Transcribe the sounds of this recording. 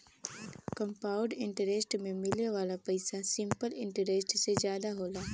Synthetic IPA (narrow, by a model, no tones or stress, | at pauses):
kə̃mpaːʊɖɪ̃ɳʈəɾesʈmẽmɪleʋaːlapɐɪsasɪ̃mpəlɪ̃ɳʈəɾesʈsed͡ʒjaːd̪aɦoːlaː